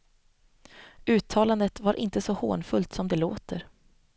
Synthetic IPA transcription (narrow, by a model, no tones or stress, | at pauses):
ʉ̟ːt̪ʰːɑːland̪ət̪vaɾʔɪ̰nt̪əsɔho̰ːnfɵlt̪sɔmd̪ɛloːt̪ʰəɾ